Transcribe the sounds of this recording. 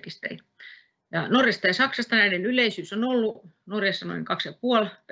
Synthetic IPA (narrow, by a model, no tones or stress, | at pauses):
kist̪ḛi | jɑnorjɑst̪ɑjɑsɑksɑst̪ɑnæinenyleisyːsonolːunorjɑsːɑno̰iŋkɑksjɑpuol